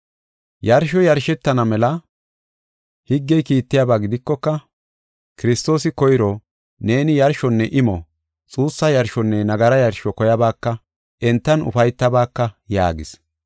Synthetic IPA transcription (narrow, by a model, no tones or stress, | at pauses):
jɐɾʃɔjɐɾʃɛt̪ːɐnɐmɛlɐ | hɪɡːɛjkiːt̪ːɪjabaːɡɪd̪ɪkːɔkːɐ | kɪɾɪst̪o̞ːsɪkɔjɾɔ | ne̞ːnɪjɐɾʃɔnːɛʔɪmɔ | t͡sʼuːsːɐjɐɾʃɔnːɛnɐɡɐɾɐjɐɾʃɔkɔjɐbaːkːɐ | ʔɛnt̪ːɐnʊ̰fɐjt̪ːɐbaːkːɐja̰ːɡɪs